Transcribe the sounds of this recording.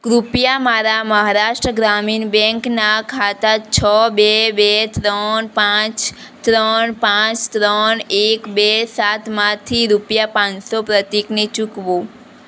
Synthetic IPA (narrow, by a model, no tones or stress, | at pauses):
kɾupjamaɾaməɦaɾaʃʈɾəɡɾaminbɛ̃ŋknakʰat̪at͡ʃʰəbebet̪ɾənpãt͡ʃt̪ɾəɳpãt͡ʃt̪ɾənekbesat̪mãt̪ʰiɾupjapãnsopɾət̪iknet͡ʃukʋõ